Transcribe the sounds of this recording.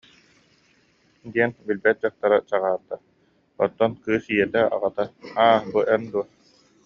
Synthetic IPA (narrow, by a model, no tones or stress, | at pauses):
d̪iɛnbilbɛt̪̚d͡ʑaχ̚t̪aɾat͡ɕaʁaːɾt̪a | ɔ̰t̪ːɔnkɯːsijɛt̪ɛa̰ʁat̪aaːbuʔɛnd̪uɔ